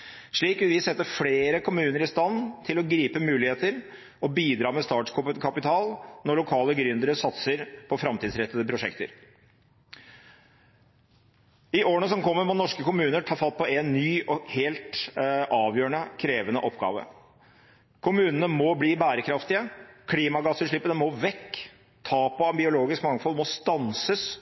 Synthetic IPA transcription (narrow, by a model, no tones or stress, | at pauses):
ʂɭiːkʋɪlʋɪsɛt̪ːəfleːɾəkʰʊmʉːnəɾɪst̪ɑnːt̪ʰɪlɔɡɾiːpəmʉːlɪheːt̪əɾ | ɔbiːd̪ɾɑːmɛst̪ɑːʈkʰʊkʰɑpɪt̪ʰɑːlnɔɭʊkʰɑːləɡɾʏnd̪əɾəsɑt̪səɾpʰɔfɾɑmt̪ʰiːd̪sɾɛt̪ːəd̪əpʰɾʊʂɛkt̪ə̰ɾ | ɪʔoːəɳəsɔmkʰɔmːəɾmɔnɔʂkəkʊmʉːnəʈʰɑːfɑlt̪̚pʰɔʔɛnːyːɔheːlt̪ʔɑːʋjøːəɳəkʰɾeːʋənəʔɔpːɡɑ̰ːʋə̰ | kʰʊmʉːnənəmɔbliːbæːɾəkʰɾɑft̪ɪəkʰliːmɑɡɑsːəʂɭɪpːənəmɔʋɛkː | t̪ʰɑːpɔɑnbɪʊloːɡɪskmɑŋːəfɔlmɔst̪ɑnsəs